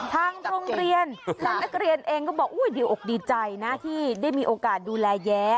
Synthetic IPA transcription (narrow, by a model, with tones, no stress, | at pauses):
t̪ʰaː˧ŋɾoː˧ŋɾi˧ənt̪ʰaː˧ŋna˦˥k̚ɾi˧ənʔeː˧ŋkɔː˥˩bɔː˨˩k̚ʔuː˦˥˩jdi˧wʔoː˨˩k̚diː˧t͡ɕa˧jna˦˥t̪ʰiː˥˩daː˥˩jmiː˧ʔoː˧kaː˨˩t̪̚duː˧lɛː˧jɛː˦˥